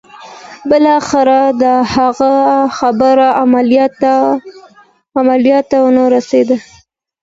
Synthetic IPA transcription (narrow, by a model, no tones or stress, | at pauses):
bɪlɑxɪɾad̪əhaɣaxabəɾaamalt | amaljɑt̪ːawənaɾased̪a